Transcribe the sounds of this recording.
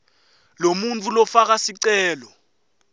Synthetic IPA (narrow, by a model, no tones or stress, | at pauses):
lomunt͡fʰʼulɔfak̬asiǀɛːlɔ